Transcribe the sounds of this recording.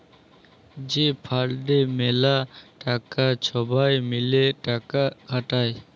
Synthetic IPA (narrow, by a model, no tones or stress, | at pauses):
d͡ʒepʰaɾɖemelaʈakat͡ʃʰɔbajmileʈakaɡʱaʈaj